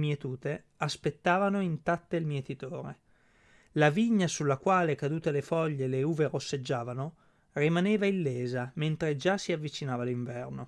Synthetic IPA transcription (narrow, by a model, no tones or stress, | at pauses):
mjet̪uːt̪e | aspet̪ːaːvanoint̪at̪ːeilmjet̪it̪oːɾe | laviɲːasulːakwaːlekad̪uːt̪elefɔʎːeleuːverosːed͡ʒːaːvano | rimaneːvailːeːzament̪ɾed͡ʒasiavːit͡ʃinaːvaliɱvɛrno